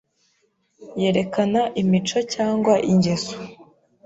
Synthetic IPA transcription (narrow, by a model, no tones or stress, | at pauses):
je̞ːɾe̞kanaʔimit͡ʃo̞caːŋɡwaʔiɲɟezo̥